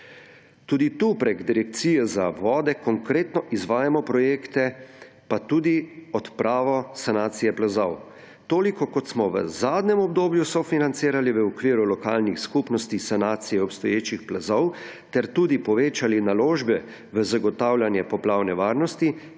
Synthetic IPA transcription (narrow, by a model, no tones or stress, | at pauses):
t̪uːd̪it̪uːpɾeɡd̪iɾɛk̚t̪siːjɛzaʋɔːd̪ɛkɔŋkɾeːt̪nɔʔizʋaːjamɔpɾɔjeːkt̪ɛ | pat̪uːd̪iɔt̪pɾaːʋɔsanaːt̪sijɛplazɔw | t̪oːlikɔkɔt̪smɔʋə̰zaːd̪nɛmɔb̚d̪oːbjusɔfinant̪siːɾaliʋəɔkʋiːɾulɔkaːlnixskupnɔst̪isanaːt̪sijɛɔpst̪ɔjeːt͡ʃixplazɔw | t̪ɛɾt̪uːd̪ipɔʋeːt͡ʃalinaloːʒbɛ | ʋəzaɡɔt̪awlʲjanjɛpɔplaːwnɛʋaːɾnɔst̪i